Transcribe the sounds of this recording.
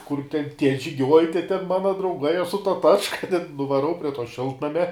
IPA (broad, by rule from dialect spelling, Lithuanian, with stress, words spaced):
kʊr tʲɛn tʲiɛ ʒʲɪˈɡʲuɔj tʲɛ tʲɛn ˈmɑːnɐ drɐʊˈɡɐɪ ɐʃ sʊ tɐ ˈtɑːt͡ʃkɐ tʲɛn nʊʋɐˈrɐʊ pʲrʲiɛ toː ˈʃʲɪlˠtnɐmʲɛ